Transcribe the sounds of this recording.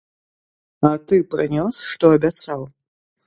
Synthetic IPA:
at̪ɨprɨnʲosʂt̪oabʲat͡saw

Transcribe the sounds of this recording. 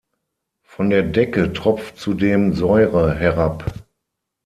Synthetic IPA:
fɔndeːɐdɛkətʁ̥ɔp͡ft͡sudeːmzɔʏʁəɦɛʁap

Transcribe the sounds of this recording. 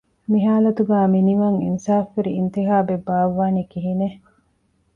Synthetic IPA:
miɦaːlɐt̪uɡaːminiʋɐŋḭnsaːfːeɾiːnt̪iɦaːbebaːʋːaːnikiɦine

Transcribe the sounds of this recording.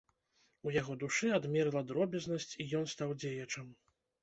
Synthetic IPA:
ujaɣɔd̪uʂɨad̪mʲɛɾlˠɐd̪ɾɔbʲɐznɐsʲt͡sʲijɔnst̪awd͡zʲejɐt͡ʂɐm

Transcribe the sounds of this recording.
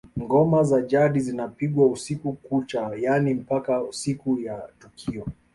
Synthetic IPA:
ŋɡɔmazaʄaɗizinapiɠwausikukut͡ʃajanim̩pakausikujatukʰiɔ

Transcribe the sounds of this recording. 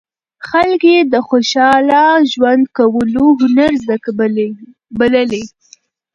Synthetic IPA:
xalked̪əxoʃɑlɑʒwand̪kawəloɦʊnaɾza | baləle

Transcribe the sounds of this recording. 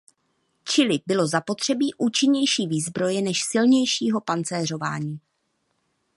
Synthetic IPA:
t͡ʃɪlɪbɪlo̞zapo̞t̪r̝̥ɛbiːʔuːt͡ʃɪɲɛjʃiːviːzbɾo̞jɛnɛʃsɪlɲɛjʃiːɦo̞pant͡sɛːr̝o̞va̰ːɲiː

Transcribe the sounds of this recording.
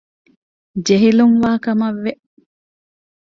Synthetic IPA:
d͡ʒeɦiluŋʋaːkɐmɐʋːeʔ

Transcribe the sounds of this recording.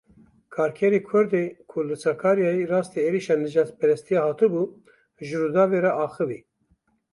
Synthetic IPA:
kʰɑːɾkʰɛɾekʰʊɾd̪ekʰulɨt͡sɑkʰɑːɾjɑːjirɑːst̪eeːɾiʃɑːnɨʒɑːt̪pɛɾɛst̪ʰijɑhɑːt̪ɨbu | ʒɨɾud̪ɑːveɾɛʔɑːxɨvḭ

